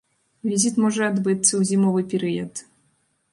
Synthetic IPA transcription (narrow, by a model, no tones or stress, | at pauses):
vʲizʲit̪mɔʐɛad̪bɨt̪sɐwzʲimɔvɨpʲɛɾɨjɐt̪